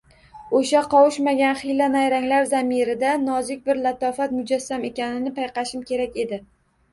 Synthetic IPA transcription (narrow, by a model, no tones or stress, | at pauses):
oʃaqʰɒwʊʃmaɡʲanχɪjlanajɾaŋlaɾzamɪɾɪd̪anɒzɪk̚ʲbɪɾlat̪ɒfat̪mʊd͡ʒasːame̞kʲanɪnɪpʰajqɑʃɪmkʲʰe̞ɾakʲe̞d̪ɪ